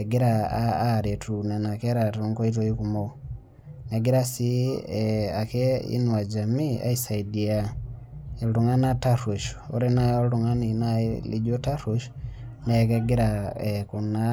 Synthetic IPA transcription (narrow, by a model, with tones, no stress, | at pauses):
ɡi˦ɾaːɾe˨tu˨na˨na˨kɛ˦ɾa˨tu˨ŋkɔ˦i˦t̬ɔi˦kumo | nɛɡi˦ɾa˦si˦ | a˨kɛḭ˦nwa˨d͡ʒa˨miʔa̰˦isa˨idi˨a | i˨ɾu˨ŋa˦na˦ta˦ɾu˨ʃu̥o̰˦ɾe˦naɔ˦lu˨ŋa˦ninalḭ˦d͡ʒo˦ta˦ɾu˨ʃ | nɛkɛɡi˦ɾaɛku˨na˦